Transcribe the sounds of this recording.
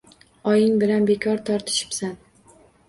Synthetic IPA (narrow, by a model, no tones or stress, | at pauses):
ɒjɪŋbɪlanbekʰɒɾt̪ʰɒɾt̪ʰɪ̥ʃɪ̥psan